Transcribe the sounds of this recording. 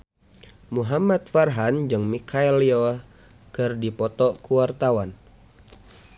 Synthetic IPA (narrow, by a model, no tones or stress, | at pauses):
muɦamat̪̚farɦand͡ʒɨŋmikʰaɛliɔ | kɨrdipɔt̪ɔkuwart̪awan